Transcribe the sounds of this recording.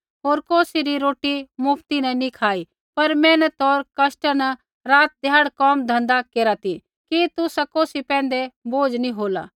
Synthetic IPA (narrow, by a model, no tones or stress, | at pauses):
ɦoːɾkoːsiɾiɾoːʈimʊpʰt̪inɛ̃nikʰaːi | pɐɾmɛ̃ːnɛt̪ɔːɾkɐsʈənɛ | ɾaːt̪̚d̪ʱɪjaːɽkɔːmd̪ʱɐ̃nd̪akeːɾat̪i | kit̪ʊsakoːsipɛ̃ːnd̪eboːd͡ʒnĩɦoːla̰ː